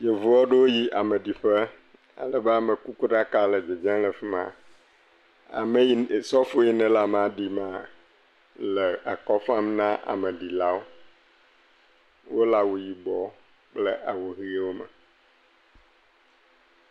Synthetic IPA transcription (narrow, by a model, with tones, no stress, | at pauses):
je˨vu˨ɔ˦ɖe˦wo˦ji˦ʔa˨me˨ɖi˨ɸɛ˦ | a̰˦lɛ˨be˦a˨me˨ku˦ku˦ɖa˦ka˦le˨d͡ʒe˨d͡ʒɛ̃˦lɛ˨fi˦mã̰˨ | a̰˨me˦˨sɔ˦fo˦ji˦nɛ̃˨la˨m˨a˨ɖi˨ma˨ | le˨a˨kɔ˦fã˦m˦nã˦ʔa̰˨me˨ɖi˨la˦wo˦ | wo˦la˨wo˨ji˨bɔ˨ | k͡ple˦ʔa˨wo˨ɣi˦e˦wo˦mɛ̰˨